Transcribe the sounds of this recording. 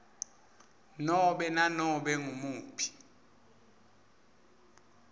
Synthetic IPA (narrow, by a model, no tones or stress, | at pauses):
nɔɓɛnanɔɓɛŋumuːpʰi̥